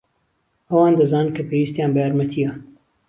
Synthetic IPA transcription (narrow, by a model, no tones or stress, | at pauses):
ɐwɑːnd̪ɐzaːnnkʰɐpʰeːwiːst̪jaːnbɐjaːɾmɐt̪ʰijɐ